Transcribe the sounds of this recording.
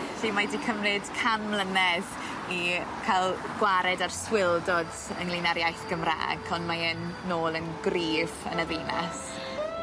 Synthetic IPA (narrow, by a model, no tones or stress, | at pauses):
ɬiːmadikʰəmrɪd̥kʰanlənɛð | ikʰalˠɡ̥waɾɛdarswɪlˠdɔd | ənlˠinaɾjajθɡ̥əmra̰ːɡʰɔnmaənːoːlˠənɡriːvə̰nəðiːna̰s